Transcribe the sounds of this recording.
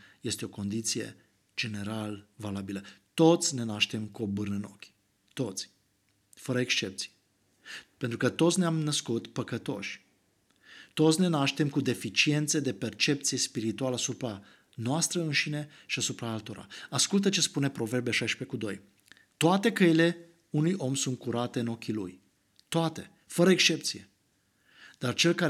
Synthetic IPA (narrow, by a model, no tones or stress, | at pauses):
je̞st̪eo̞ko̞nd̪it̪sije̞̰ | d͡ʒe̞ne̞ɾalvalabilət̪o̞t̪sʲne̞naʃt̪e̞mkuobɨrnəno̞kʲ | t̪o̞t̪sʲ | fəɾəekst͡ʃe̞p̚t̪si̥j | pe̞nt̪ɾukət̪ot̪sʲneamnəskut̪pəkət̪o̞̰ʃʲ | t̪o̞t̪sʲne̞naʃt̪e̞mkud̪e̞fit͡ʃie̞nt̪sed̪e̞pe̞rt͡ʃe̞p̚t̪sije̞spiɾit̪ualəasupɾa | noast̪ɾəɨnʃine̞ | ʃiasupɾaalt̪o̞ɾa̰askult̪̬ət͡ʃe̞spune̞pɾo̞ve̞rbeʃajʃpe̞kud̪o̞̰j | t̪oat̪e̞kəile̞ | unujʔo̞msunt̪̚kuɾat̪e̞ɨno̞kʲilṵj | t̪oat̪e̞ | fəɾəekst͡ʃe̞p̚t̪sije̞̰ | d̪̥art͡ʃe̞lka